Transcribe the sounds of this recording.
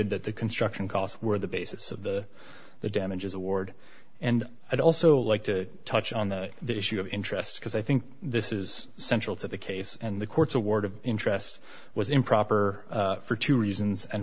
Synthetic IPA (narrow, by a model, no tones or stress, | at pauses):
ɨd̪̚ðɨt̪̚ðɨkʰn̩stɹ̥ʌkʃn̩kʰɔstswə˞ðɨbeɪsɨsʌvðɨ | ðɨdæmɨd͡ʒɨzəwɔɹɾ | ɨ̃n | aɪɾɔlˠsoʊlaɪk̚tʰɨ | tʰʌt͡ʃn̩ðəðiɪʃʉʌvɪ̃nt͡ʃɹ̥ɛstkʰʌzaɪθɪ̃ŋk̚ðɪsɪz̥ | sɛ̃nt͡ʃɹ̥l̩ˠtʰɨðɨkʰeɪsɨ̃nðɨkʰɔɹtsəwɔɹɾʌvɪ̃nt͡ʃɹ̥ɛst̚ | wʌzɨ̃mpʰɹ̥ɑpə˞ | fə˞tʰʉɹizɨ̃n̩zɨ̃n